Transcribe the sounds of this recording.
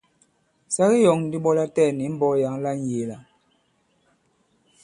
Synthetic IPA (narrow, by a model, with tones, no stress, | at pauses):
sa˦ɣi˦jɔ˨ŋ˦di˦ɓɔ˦la˦tɛ˦˨ni˨˦m̩˦bɔ˦ja˨˦ŋ˦la˦n˦je˨la˨